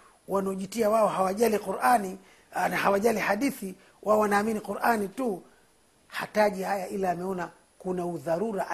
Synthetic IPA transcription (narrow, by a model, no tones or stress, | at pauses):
wanaɔʄitiawaɔhawaʄaliquɾʔani | nahawaʄalihaɗiθi | wʔaɔwanaːminiquɾʔanitu | hataʄihajaʔilaːmɛɔna | kunauðaɾuɾaʔ